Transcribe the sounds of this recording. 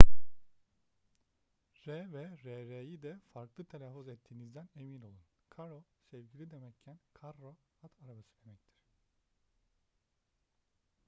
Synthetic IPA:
ɾɛvɛɾɛɾejid̪ɛfaɾklˠɯt̪ʰelʲafːuzɛt̪ʰːiːnizd̪æne̞mino̞lˠunkʰaɾosɛvɟilʲid̪emɛccʰːænkʰaɾːo | at̪ʰaɾabasɯd̪emɛc̚t̪ʰi̥ɾ̝̥

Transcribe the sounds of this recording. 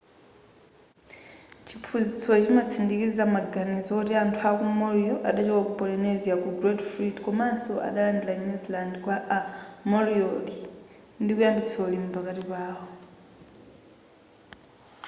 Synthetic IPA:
t͡ʃʰipʰuzit͡sʰɔt͡ʃimat͡sʰindikiamaɡanizɔutiantʰuakumɔɾiɔʔaɗat͡ʃɛwakupɔlinɛzjakuɡɾɛdfɾidkɔmansɔʔa̰ɗalandilaɲuzilandkwaʔamɔɾiɔli | ndikujandit͡sʰolimupakatipaːɦɔ

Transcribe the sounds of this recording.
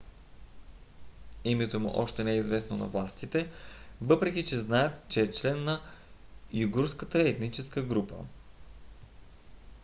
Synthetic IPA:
imɛt̪omṵʔɔʃt̪ɛnɛizvɛsnonɐ̰vlˠast̪it̪ɛvɤpɾɛk̟ʲit͡ʃɛznaɛt̪t͡ʃɛːt͡ʃlɛnːɐ | juɡuɾskət̪əɛt̪nit͡ʃɛskəɡɾupə̰

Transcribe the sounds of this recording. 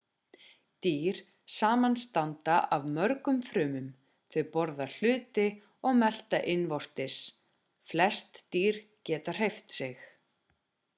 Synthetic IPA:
t̪iːɾ̥ | saːmanst̪ant̪aʔavmœɾkʏmfɾʏːmʏm | θɪpɔɾðal̥ʏːt̪ɪ | ɔɣmɛl̥t̪aʔɪnvɔr̥t̪ɪs | flɛst̪ːiːɾ̥cɛːt̪ar̥ejft̪sɪx

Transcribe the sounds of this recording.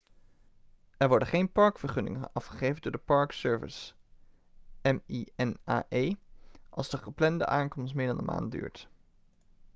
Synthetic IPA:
ɛɹʋɔɹdəχejnpɑɹkfəɹχɵnɪ̰ŋənɑfχəχejvəndʊːɹdəpɑɹksøːɹvɪ̰s | ɛmiɛna̰ːʔejʔɑ̰lˠzdəχəplɛndə̰ʔaːŋkɔmstmɪːɹdɑndə̰nmʔa̰ːn̚dy̰ːɹt

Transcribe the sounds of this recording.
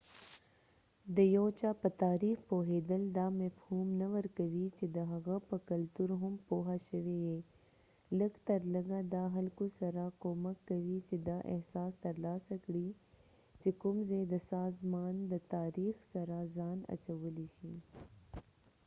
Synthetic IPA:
d̪əjoːt͡ʃapət̪aːɾiːxpoːɦeːd̪əld̪aːmɐfhuːmnɐʋəɾkɐʋit͡ʃed̪əɦɐɣapəkɐlt̪uɾɦʊmpoːɦaʃəʋeje | ləɡt̪ɐɾlɐɡad̪aːɦɐlkusɐɾakoːməkːɐʋit͡ʃed̪aʔḛhsaːst̪ɐɾlaːsakɽi | t͡ʃekʊmzed̪əsaːzmaːnd̪ət̪aːɾiːxsɐɾazaːnɐ̰t͡ʃɐwəliʃi

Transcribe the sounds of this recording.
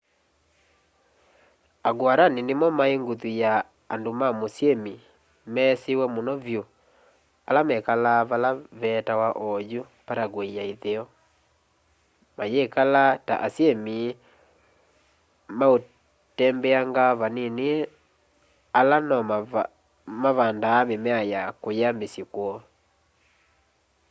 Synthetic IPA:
aɡwaɾaninemɔmaeŋɡotujaː | ndomamosjemi | mɛsewɛmonɔvjo | alamɛkalaβalaβɛtawaʔɔjo | paɾaɡweiaiðeɔ | majekalata̰ʔasjemi | mao | tɛmbɛaŋɡaβanene | alanɔma | maβandaːmemɛajakojambesikwɔ

